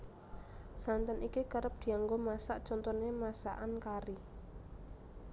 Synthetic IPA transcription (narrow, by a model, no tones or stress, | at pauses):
sant̪ənikikəɾəp̚d̪̥i̤aŋɡomasaʔt͡ʃɔnt̪ɔnemasa̰ʔankaɾi